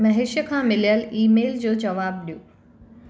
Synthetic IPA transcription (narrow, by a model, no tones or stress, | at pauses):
mɐɦeʃjəkʰãmɪlijəliːmeːld͡ʑoːd͡ʑɐʋaːb̚ɗijũː